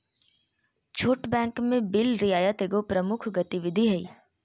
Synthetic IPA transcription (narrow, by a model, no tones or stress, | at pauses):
t͡ʃʰoːʈbɛ̃ːŋkmẽbɪlɾɪaːjət̪eːɡopɾəmʊkʰɡət̪iʋɪd̪ʱiɦɛḭː